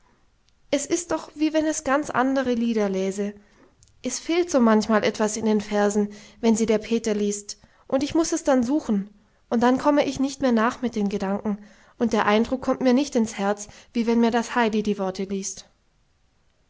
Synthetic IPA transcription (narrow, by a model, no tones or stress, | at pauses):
ʔɛsɪstd̥ɔχv̥iːvɛnɛsɡ̥ant͡sʔa̰ndəʁ̞əliːdɐlɛːzə | ʔɛsfeːltz̥oːmançmaːlʔɛtv̥asɪndeːnfɛɐzn̩vɛnziːdeːɐpʰeːtɐliːst | ʔʊntɪçmʊsɛsd̥anzuːxn̩ | ʔʊntd̥ankʰɔməʔɪçnɪçtmeːɐnaːχmɪt̚d̥eːmɡədaŋkŋ̩ | ʔʊnt̚d̥eːɐʔaɪndʁʊkʰːɔmtmiːɐnɪçtɪnshɛɐt͡sv̥iːvɛnmiːɐdashaɪdidiːvɔɐtʰəliːst